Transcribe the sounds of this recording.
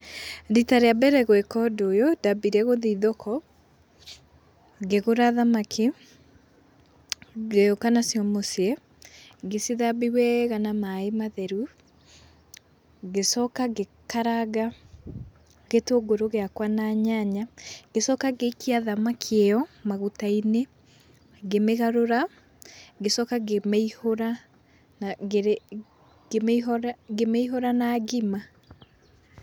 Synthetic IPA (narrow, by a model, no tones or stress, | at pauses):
ditaɾeabɛɾɛɣwɛkɔdojodabiɾɛɣoðiðɔkʰɔ | ɣeɣoɾaðamakʰi | ɣeokanasijɔmosiɛ | ɣesiðabiwɛɣanamaemaðɛɾu | ɣesɔkaɣekaɾaɣa | ɣetoɡoɾoɣeakwanaɲaɲaɡesɔkaɣekiaðamakʰejɔmaɣutaine | ɡemeɣaɾoɾa | ɡesɔkaɡemɛihoɾa | nɾ | ɡemɾɡemɛiɦoɾanaɣima